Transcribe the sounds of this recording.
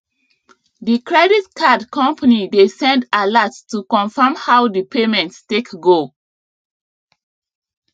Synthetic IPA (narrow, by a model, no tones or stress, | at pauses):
dikɹɛditkʰadkʰɔ̃mpʰanidesɛ̃ndalatstukɔ̃nfamhawdipʰemɛ̃ntstekɡo